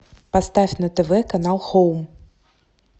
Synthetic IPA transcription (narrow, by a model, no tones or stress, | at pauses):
past̪afʲnɐt̪ɛvɛkanalˠxowm